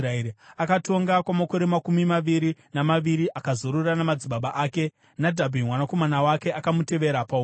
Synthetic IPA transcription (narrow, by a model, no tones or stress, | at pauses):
raeɾiakato̞ŋɡakwamako̞ɾe̞makumimaʋiɾinamaʋiɾiʔakazoɾuranamad͡ziɓaɓaʔaːke̞ | nadʱabʱimwanako̞manawake̞akamute̞ʋe̞ɾapau